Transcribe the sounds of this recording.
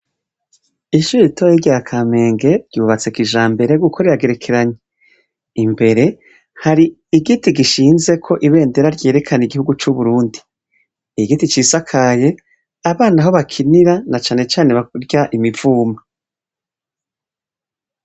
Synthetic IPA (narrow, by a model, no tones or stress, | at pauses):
iʃuɾiitʰojiɟakʰame̞ːŋɡe̞ɾɟuːβat͡se̞kiʒaːmbe̞ɾe̞ɡukʰo̞ɾeɾaɡe̞ɾe̞kʰe̞ɾaɲe | imbe̞ɾe̞ | haɾiː | ɡitiɡiʃiːnze̞kʰo̞ʔiβe̞ːnde̞ɾaɾɟe̞ːɾe̞kʰaniɡihuɡut͡ʃuβuɾuːndi | iɡitit͡ʃisakʰaje̞ | aβaːnaɦo̞βakʰiniɾanat͡ʃaːne̞t͡ʃaːne̞βaɾɟaʔimiv̥uːma